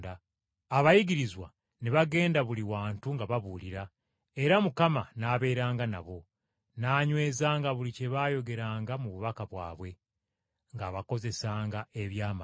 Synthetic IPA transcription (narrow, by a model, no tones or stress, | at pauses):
daː | βajiɡiɾizwa̰ | neβaɡe̞ːndaβuliwaːntuŋɡaβaβuːliɾa | e̞ɾamukamanaːβe̞ːɾaːŋɡana̰βo̞ | naːɲwe̞ːzaːŋɡaβulice̞βaːjo̞ɡe̞ɾaːŋɡamuβuβakaβwa̰ːβwe̞ | ŋɡaβako̞ze̞saːŋɡae̞βjaːma